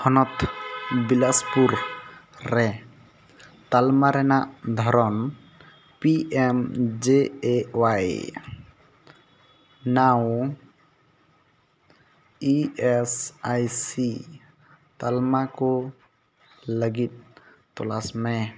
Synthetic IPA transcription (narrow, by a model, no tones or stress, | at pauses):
hɔnɔt̪bilaspuɾ | ɾɛ | t̪almaɾɛnaʔd̪ʱɔɾɔn | piʔemd͡ʒeewaj | naw | iɛsajsi | t̪almakɔ | ləɡit̪̚ | t̪ɔlasmɛ